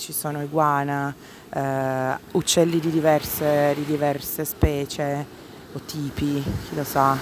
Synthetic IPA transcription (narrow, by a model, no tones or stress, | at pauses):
t͡ʃisoːnoiɡwaːna | ut͡ʃːɛlːid̪id̪ivɛrsed̪id̪ivɛrsespɛːt͡ʃe | ot̪ʰːiːpik̟ʰilosa